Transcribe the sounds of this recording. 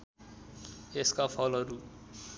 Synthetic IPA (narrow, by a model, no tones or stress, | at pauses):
eskapʰʌlɦʌɾu